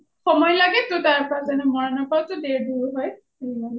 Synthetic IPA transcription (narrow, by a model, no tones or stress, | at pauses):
xɔmɔjlaɡɛtʊtaɹpazanɛmɔɹanɔpawtʊdeɹduɹɦɔj | eila